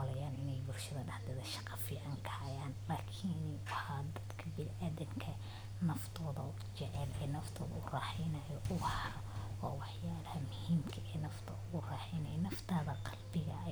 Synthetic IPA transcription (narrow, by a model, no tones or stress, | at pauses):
lɐjaːnɪnɛjbʊlʃɐðɐɖɑħd̪ɛðɐʃɑ̥qɑfiːʕɐŋkʰɐhɐjaːnlaːkʰin | ɐħaːd̪ɐd̪kʰɐbɪnʔaːðɪmkʰɐ | nɐft̪ʰɔːðɐ | t͡ʃɛʕɛlɛnɐft̪ʰɔːðɐʊraːħɛjnɐjɔʔʊhɐɾɔɔːwɑħjaːɽɐhɐmʊhiːmkʰɐʔɛnɐft̪ʰɐʊɣʊraːħɛjnɐjnɐft̪ʰaːðɐqɑlbɪɣɐ